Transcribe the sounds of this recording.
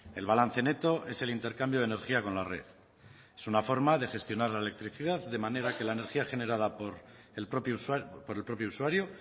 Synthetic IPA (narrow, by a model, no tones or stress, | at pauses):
e̞lβalanθe̞ne̞t̪o̞ʔe̞se̞lint̪e̞ɾkambjo̞ð̞ene̞ɾxiako̞nlare̞̰ð | esunafo̞ɾmaðe̞xe̞st̪jo̞naɾlaele̞k̚t̪ɾiθiðaððe̞mane̞ɾake̞laene̞ɾxiaxe̞ne̞ɾað̞apoɾ | popspo̞ɾe̞lpɾo̞pjousuwaɾjo